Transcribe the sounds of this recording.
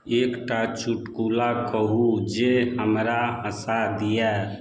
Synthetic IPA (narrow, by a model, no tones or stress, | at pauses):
ekʈat͡ʃuʈkulakəɦud͡ʒeɦəmɾaɦəsad̪ijɛ